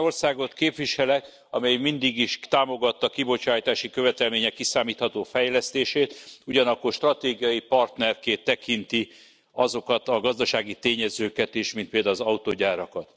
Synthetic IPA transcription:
orsaːɡo̞t̪keːpʋiʃɛlɛk | ɒmɛjmind̪iɡiʃt̪aːmo̞ɡɒt̪ːɒkibo̞t͡ʃaːjt̪aːʃikø̞vɛt̪ɛlmeːɲɛkːisaːmiːt̪hɒt̪oːfɛjlɛst̪eːʃeːt̪uɟɒnɒkːo̞rʃt̪rɒt̪eːɡijɒjipɒrt̪nɛrkeːt̪ːɛkint̪i | ɒzo̞kɒt̪ɒɡɒzd̪ɒʃaːɡit̪eːɲɛzøːkɛt̪eːʃmint̪̚peːld̪aːlozɒut̪oːɟaːɾɒkɒt̪

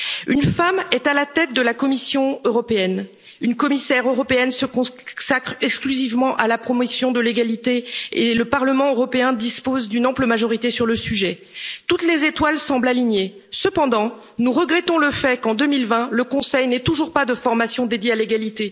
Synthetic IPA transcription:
ynfamɛt̪alat̪ɛt̪̚d̪əlakɔmisjɔ̃øʁɔpeɛn | ynkɔmisɛʁøʁɔpeɛnsəkɔ̃sakχɛksklyzivmɑ̃ʔalapχɔmosjɔ̃d̪əleɡalit̪eeləpaʁləmɑ̃øʁɔpeɛ̃d̪ispozd̪ynɑ̃pləmaʒɔʁit̪esyʁləsyʒɛ | t̪ut̪lezet̪walsɑ̃blaliɲe | səpɑ̃d̪ɑ̃ | nuʁəɡʁɛt̪ɔ̃ləfɛkɑ̃d̪əmilvɛ̃ləkɔ̃sɛjnɛt̪uʒuʁpad̪əfɔʁmasjɔ̃d̪ed̪jealeɡalit̪e

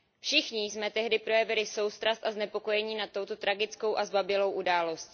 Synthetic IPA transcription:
fʃɪxɲɪsmɛt̪ɛɦdɪpɾo̞jɛvɪlɪso̞wst̪ɾast̪aznɛpo̞ko̞jɛɲiːnat̪ːowt̪o̞t̪ɾaɡɪt͡sko̞wʔazbabɪlo̞wʔudaːlo̞st̪

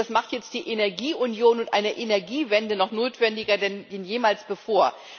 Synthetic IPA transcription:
asmaχtjɛt͡std̥iːʔenɛɐɡiːʔʊnjoːnʊntʔa̰ɪnəʔenɛɐɡiːvɛndənɔχnoːtv̥ɛndɪɡɐdɛninjeːmaːlsb̥əfoːɐ

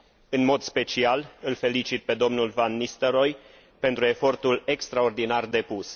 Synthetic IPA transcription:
ɨnmo̞d̪spe̞t͡ʃialɨlfe̞lit͡ʃit̪̚pe̞d̪o̞mnulvanːist̪əɾo̞j | pe̞nt̪ɾue̞fo̞rt̪ule̞kst̪ɾao̞rd̪inard̪e̞pus

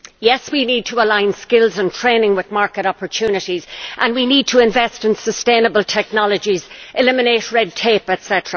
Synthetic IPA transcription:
jɛswinid̚tʰəəlãɪ̃nskɪlˠzə̃ntʰɹ̥ẽɪnɪ̃ŋwɪðmaɹkəɾɑpə˞tʰʉnɨɾizʔə̃nwinid̚tʰəɪ̃ɱvɛstɨ̃nsəstẽɪ̃nəbəlˠtʰɛk̚nɑlˠəd͡ʒizʔɪlɪ̃mɪneɪt̚ɹɛd̚tʰeɪpɛtsɛɾəɹə

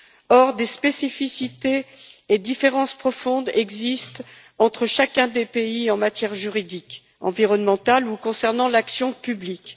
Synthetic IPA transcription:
ɔʁd̪espesifisit̪eːd̪ifeʁɑ̃spχɔfɔ̃d̪ɛɡzist̪ | ɑ̃t̪χəʃakɛ̃d̪epeiɑ̃mat̪jɛʁʒyʁid̪ik | ɑ̰̃viʁɔnmɑ̃t̪alukɔ̃sɛʁnɑ̃laksjɔ̃pyblik

